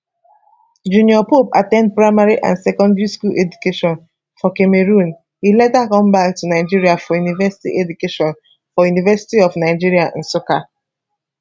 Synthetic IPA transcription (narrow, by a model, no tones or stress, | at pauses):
d͡ʒũniɔpopa̰tɛ̃nd̚pɹaɪmaɹiʔã̰nsɛkɔ̃ndɹiskulʔɛd͡ʒukeʃɔ̃n | fɔkemeɹũn | ilɛtakɔ̃mbaktunaɪd͡ʒiɹiafɔjunivɛsi̥tḭʔɛdukeʃɔ̃n | fɔjunivɛsi̥tiɔvnaɪd͡ʒiɹiaʔn̩soka